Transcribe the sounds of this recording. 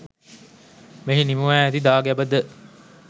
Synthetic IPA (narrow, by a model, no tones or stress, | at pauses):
meɦinimuʋæːæt̪id̪aːɡæbəd̪ə